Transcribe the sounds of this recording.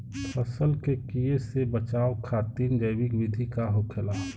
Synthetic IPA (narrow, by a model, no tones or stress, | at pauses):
tʰəsəlkekijesebət͡ʃaːokʰaːt̪iːnd͡ʒəɪbɪkwɪd̪ʱikaɦokʰelaː